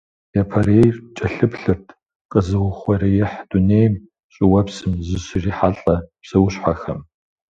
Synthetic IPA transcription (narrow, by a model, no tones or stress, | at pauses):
jɐpʰɐrejrt͡ʃʼɐɬɨpɬɨrtʰ | qʼəzɨʁʷʊχʷɐrijɪħd̥uneːjm | ɕʼɪwɐpsɨmzɨɕriːħaɬʼɐpsɐwʊɕħʷaxɐm